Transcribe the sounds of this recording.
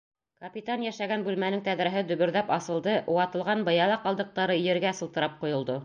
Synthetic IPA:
kɐpʲit̪anjæʃæɡænbʉlmænɘŋt̪æðɾæɦɘd̪ɵ̆βɵ̆ɾðæpɑsɤ̆lˠd̪ɤʔuwɑt̪ɤ̆lˠʁɑnbɤ̆jɑlˠɑqɑlˠd̪ɤ̆q̚t̪ɑɾɤijɘ̆ɾɡæsɤ̆lˠt̪ɤ̆ɾɑp̚qŭjŏlˠd̪o

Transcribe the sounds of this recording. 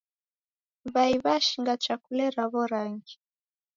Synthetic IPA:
βaiβaʃiŋɡat͡ʃakulɛɾaβɔɾaŋɡi

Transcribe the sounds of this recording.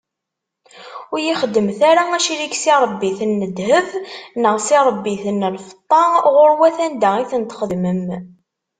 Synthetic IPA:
ʊɾjiχəd̪ːəmθaɾaæʃiliksiɾˤəbːiθnːəd̪həvnəʁsiɾˤəbːiθənːlfə̥t̪ˤːɑʁʊɾwæθænd̪æʁiθənt̪χəd̪məm

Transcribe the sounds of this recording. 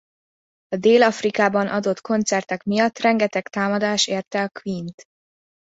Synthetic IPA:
ɒd̪eːlɒfrikaːbɒnʔɒd̪o̞t̪kʰo̞nt̪sɛrt̪ɛkmijɒt̪ːrɛŋɡɛt̪ɛkt̪aːmɒd̪aːʃeːrt̪ɛɒkʋint̪

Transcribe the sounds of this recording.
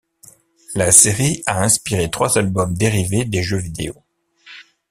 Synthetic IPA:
laseʁiaɛ̃spiʁet̪χwazalbɔmd̪eʁived̪eʒøvid̪ḛo

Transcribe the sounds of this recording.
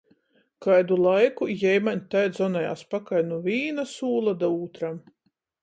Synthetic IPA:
kajd̪ulˠajkujɛjmaɲʲt̪ajd̪zɔnɛja̰ːspakajnuvʲiːnasuːlˠad̪auːt̪ɾam

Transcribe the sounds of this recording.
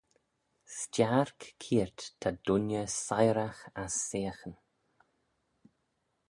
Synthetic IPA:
st͡ʃaɹkkʰiːɹt̪tʰːad̪̥ʊnjəsajɾaxasːeːxən

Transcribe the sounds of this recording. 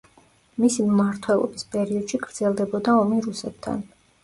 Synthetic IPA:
misimmaɾt̪ʰwɛlˠɔ̰bispʼɛɾiɔd̪̥ʃiɡɾd̪z̥ɛlˠd̪ɛbɔd̪aɔmiɾusɛp̚t̪ʰa̰n

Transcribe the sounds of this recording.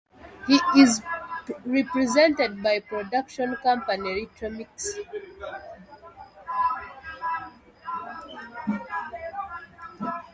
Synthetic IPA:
hiiz | ɹɛpɹɛzɛ̃ntɛd̚bajpɹɔdakʃɔ̃nkãmpaniɹitʰɹɔmiks

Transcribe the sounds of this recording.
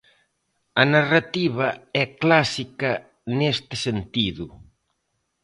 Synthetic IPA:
ɐnarat̪iβɐɛklasikɐ | nest̪ɪ̥sent̪iðʊ

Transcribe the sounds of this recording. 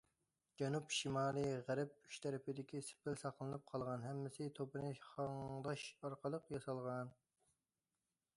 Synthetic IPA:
d͡ʒɛnupʃimɑːlˠɨʁæɾɪp̚y̥ʃt̪ʰɛɾɪpʰɪd̪ɪkʲisɪ̥pʰɪlsɑqlˠɨnɨp̚qʰɑlˠʁɑnɦɛmːɪsɪt̪ʰopɨnɨχɑŋd̪ɑʃɑɾqʰəlˠəqjɑsɑlˠʁɑn

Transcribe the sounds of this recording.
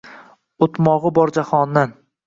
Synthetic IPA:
ot̪mɒʁɨbɒɾd͡ʒahɒnd̪an

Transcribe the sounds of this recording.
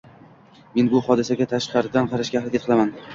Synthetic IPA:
me̞nbʊhɒd̪ɪsaɡʲat̪ʰaʃqɑɾɪd̪anqʰɑɾaʃɡʲahɪd̪et̪qʰɨlaman

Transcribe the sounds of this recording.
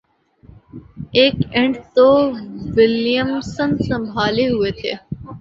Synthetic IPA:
eːkẽɳɖt̪oːʋɪljəmsənsə̃mbʱaːleɦʊet̪ʰḛː

